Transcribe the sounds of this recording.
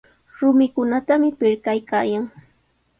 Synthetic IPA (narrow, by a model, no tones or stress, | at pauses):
ɾʊmɪkʊnat̪amɪpɪɾkajkaːjaŋ